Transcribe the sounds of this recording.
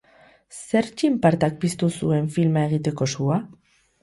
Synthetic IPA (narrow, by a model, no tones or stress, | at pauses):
se̞ɾt͡ʃimpaɾt̪ak̚pist̪usue̞ɱfilmaeɣ̞it̪e̞ko̞sua